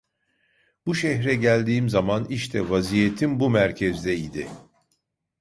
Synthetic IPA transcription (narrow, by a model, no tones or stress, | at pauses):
b̥uʃɛçɾɛɟælʲd̪iːmzamaniʃt̪ʰɛvazijet̪ʰimbumæɾcʰɛzd̪ɛid̪ɪ̰